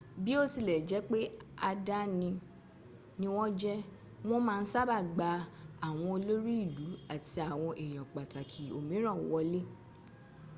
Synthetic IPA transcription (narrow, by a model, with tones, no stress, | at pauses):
bi˦o˦ti˧˨lɛ˨d͡ʒɛ˨˦k͡pe˦a˧da˦nĩ˧ | nĩ˦w̃ɔ̃˦d͡ʒɛ˦ | w̃ɔ̃˦mãː˦˧n̩˦sa˦ba˦˨ɡ͡ba˧a˨w̃ɔ̃˧o˧lo˦ɾi˦i˦˨lu˨˦a˦˨ti˨˦a˨w̃ɔ̃˧ʔe˨j̃ɔ̃˨k͡pa˨ta˨kʰi˨o̰˨mĩ˨˦ɾɔ̃˦˨wɔ˧le˦